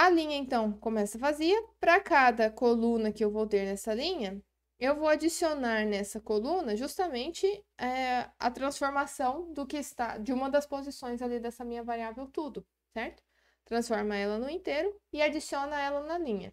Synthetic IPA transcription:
ɐlĩɲɐẽnt̪ɐ̃w̃kõmɛsɐvaziɐpɾɐkad̪ɐkolũnɐkɪewvowt̪eɾnɛsɐlĩɲɐ | ewvowad͡ʒisionaɾnɛsɐkolũnɐʒust̪ɐmẽnt͡ʃɪɛɐ̰t̪ɾɐ̃sfoɾmasɐ̃w̃d̪ʊkɪɪst̪ad͡ʒɪũmɐd̪ɐspozisõj̃zalid̪ɛsɐmĩɲɐvaɾiavewt̪ud̪ʊ | sɛɾt̪ʊ̥ | t̪ɾɐ̃sfɔɾmɐɛlɐnʊĩnt̪eɾʊɪad͡ʒisiõnɐɛlɐnɐlĩɲɐ̰

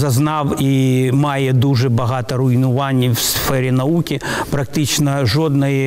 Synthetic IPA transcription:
zɐznɑwimajɛd̪uʐɛbɐɦat̪ɐɾʊjnʊʋanʲːiwsfɛɾʲɛnɐukʲipɾɐk̚t̪ɪt͡ʃnɐʐɔd̪nɐjɛ

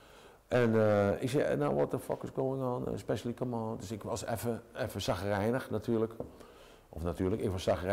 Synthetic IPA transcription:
ʔɛnəɪ̰ks̬ɛ̰naʋɔtəfɔ̰kəsɡoːɪŋɔːnə̰spɛʃəlikəmɔːndøsɪkʋɔsɛ̰fəɛfəsaxərɛjnəxnatʰyːlək | ɔfnatyːləkɪkʋɔsaxər

